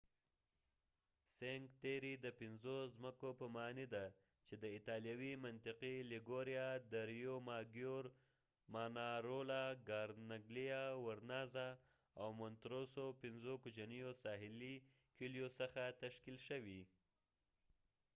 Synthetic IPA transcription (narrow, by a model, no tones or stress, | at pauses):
seŋɡt̪eɾid̪əpɪnzozməkopəmɑnid̪a | t͡ʃed̪əɪt̪ɑljawimant̪ɪqilɪɡoɾjad̪əɾjomɑɡjoɾ | manaɾolaɡɑɾnaɡlijawaɾnɑza | awmʊnt̪ɾosopɪnzokʊd͡ʒanijosɑɦɪlikiljosəxat̪aʃkilʃəwi